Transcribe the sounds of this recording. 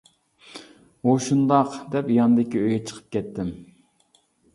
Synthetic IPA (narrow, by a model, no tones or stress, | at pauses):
oʃund̪ɑqd̪ɛpjɑnd̪ɪkʲiøjɡʲɛt͡ʃʰə̥qʰə̥p̚kʲʰɛt̪ʰːɪm